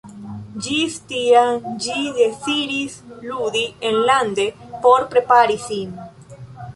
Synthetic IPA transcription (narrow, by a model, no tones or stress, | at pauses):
d͡ʒist̪iad͡ʒiðesiɾisluðienland̪epoɾpɾepaɾisin